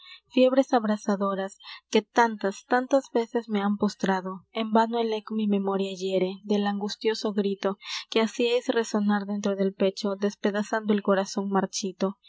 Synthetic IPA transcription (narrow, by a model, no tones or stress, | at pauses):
fje̞βɾe̞saβɾasaðo̞ɾaske̞t̪ant̪ast̪ant̪azbe̞se̞zme̞ampo̞st̪ɾaðo̞embanoelekomime̞mo̞ɾjaʝeɾe̞d̪elaŋɡust̪jo̞so̞ɣɾit̪okeasiajsre̞so̞naɾðe̞nt̪ɾo̞ðe̞lpe̞t͡ʃo̞d̪e̞spe̞ðasand̪oelko̞ɾaso̞ŋmaɾt͡ʃit̪o̞